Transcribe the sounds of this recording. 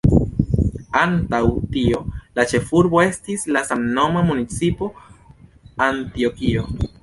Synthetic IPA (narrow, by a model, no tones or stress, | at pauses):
antawtio̞lat͡ʃe̞fuɾbo̞e̞stislasamno̞mamunit͡sipo̞ | antio̞kio̞